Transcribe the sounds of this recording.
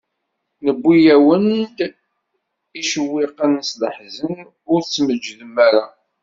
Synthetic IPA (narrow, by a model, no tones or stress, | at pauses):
nəbːijæwənd̪ | iʃəwːɪqənsdə̰ħzən | ʊɾt͡sːməd͡ʒːðəmːæɾa